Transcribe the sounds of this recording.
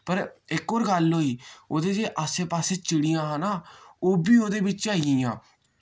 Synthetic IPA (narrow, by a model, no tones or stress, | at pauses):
pəɾɪkoːɾɡəlɦoːiːoːd̪eːd͡ʒeːʔaːseːpaːseːt͡ʃɪɽijãːɦaːnaːoːbiːoːd̪eːbɪt͡ʃaːĩːjãː